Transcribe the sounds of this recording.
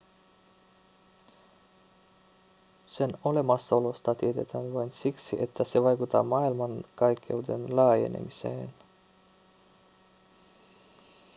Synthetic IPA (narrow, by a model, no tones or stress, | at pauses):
se̞no̞le̞mɑsːɑo̞lo̞st̪ɑt̪iet̪e̞t̪æːnʋɑjnsiksḭʔe̞t̪ːæse̞ʋɑjkut̪ːɑ̰ːmɑːilmɑnkɑjkːe̞ude̞nlɑːje̞̰nḛmisḛːn